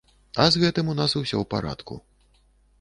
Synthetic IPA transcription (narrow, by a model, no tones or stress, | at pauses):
ɐzɣɛt̪ɨmun̪asuwsʲɔ̰wpaɾa̰t̪kṵ